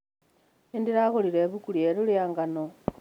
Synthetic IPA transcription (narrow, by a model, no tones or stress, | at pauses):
indiɾaɣoliɾeβukulieɾuljaːŋɡano